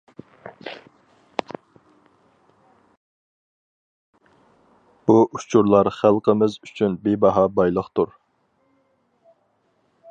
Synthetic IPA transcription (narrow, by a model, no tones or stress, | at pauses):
b̥uʔut͡ʃʰuɾlˠɑɾχælˠqəmɪzyt͡ʃʰynbebɑɦɑbɑjlˠəχt̪uɾ